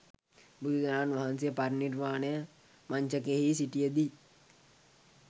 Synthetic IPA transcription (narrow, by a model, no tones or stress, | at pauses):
bud̪ud͡ʒanaːnʋaɦansijəparnirʋaːnəjə | maɲt͡ʃəkeɦisiʈijəd̪i